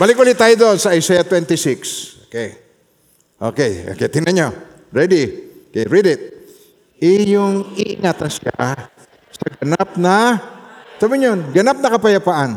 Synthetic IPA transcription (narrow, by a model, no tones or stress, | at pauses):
baːlɪkʔuːlɪt̪ːaːjod̪oʔonsɐʔɐjsɛjat̪wɛnt̪ɪsɪksokɛj | ʔo̰kɛjo̰kɛt̪ɪnɐɲo | ɹɛd̪iokɛ̰jɹid̪ɪt̪̚ | ɪjʊŋɪʔɪ̰ŋaːt̪ɐnsɪa̰ | sɐɡɐnap̚nɐ | saːbɪɲonɡɐnap̚nɐkɐpɐjɐpaʔan